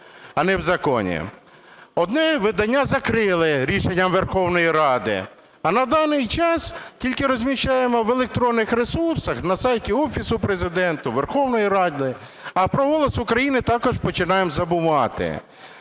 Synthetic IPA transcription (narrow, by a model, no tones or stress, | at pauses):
ɐnɛwzɐkɔ̰nʲḭ | ɔd̪nɛʋɪd̪ɐnʲːazɐkɾɪlˠɪɾʲiʃenʲːɐmʋerxɔwnɔjiɾɑd̪ɪ̰ | ɐnɐd̪ɑnɪjt͡ʃɑskʲilʲkɪɾɔzʲmʲiʃt͡ʃajemɔʋelˠek̚t̪ɾɔnːɪxɾesursɐxnɐsɑjtʲiɔfʲisʊpɾezɪd̪ɛnt̪ʊʋerxɔwnɔjiɾɑd̪ʲɪ | ɐpɾɔɦɔlˠɔsʊkɾɐjinɪt̪ɑkɔʒpɔt͡ʃɪnɑjemzɐbʊʋɑt̪ɪ̰